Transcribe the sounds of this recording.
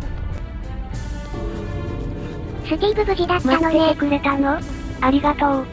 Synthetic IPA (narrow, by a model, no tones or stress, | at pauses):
sɨɡ̪ʲibɯ̟bɯ̟ʑid̪atmaːanoekɯ̟ɾet̪ano | aɾʲiɡat̪o̞ː